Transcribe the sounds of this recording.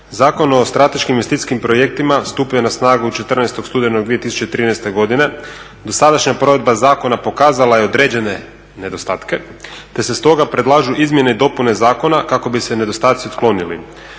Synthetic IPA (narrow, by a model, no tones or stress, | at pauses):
zaːko̞no̞st̪ɾat̪e̞ʃkimjest̪it̪i̥skimpɾo̞je̞k̚t̪imast̪uːpuje̞nasnaːɡuut͡ʃe̞t̪rnɛjst̪o̞ɡst̪uːd̪enoɡd̪ie̞t̪isu̥t͡ɕet̪ɾiːnɛjst̪e̞ɡo̞d̪ine̞ | d̪o̞sad̪aʃɲapɾo̞ʋe̞d̪̚bazaːko̞napo̞kaːzalajeo̞d̪ɾe̞ːd͡ʑe̞ne̞ | ne̞d̪o̞st̪aːt̪ke̞t̪e̞se̞st̪o̞ɡapɾe̞d̪lˠaʒuʔizmje̞neid̪o̞punezaːko̞nakako̞bise̞ne̞d̪o̞st̪aːt̪siot̪klˠo̞nilḭ